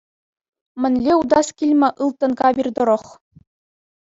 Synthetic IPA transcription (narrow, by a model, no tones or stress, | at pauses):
mʲɘ̆nʲlʲeud̪ɑskʲilʲmʲɘ̆ʔɯlˠt̪ːɤ̆nɡɑbʲird̪ɤ̆ɾɤ̆χ